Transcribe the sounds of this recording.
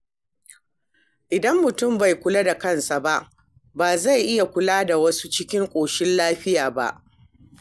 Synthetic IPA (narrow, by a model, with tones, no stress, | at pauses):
ʔɪ˨dɐ˦mːʊ˨tʊ˦˨mba˨jkʷʊ˦la˦da˨kɐ˦nsa˨ba˦ʔ | baː˨za˦˨jʔɪ˦ja˨kʷʊ˦laː˦da˨wɐ˦su˦t͡ʃɪ˦kʲɪ˦ŋkʷʼoː˨ʃɪ˦nlaː˦ɸɪ˦jaː˨ba̰˦ʔ